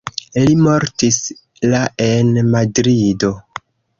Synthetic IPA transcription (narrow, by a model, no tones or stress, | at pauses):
limo̞ɾtis | laʔe̞nmadɾido̞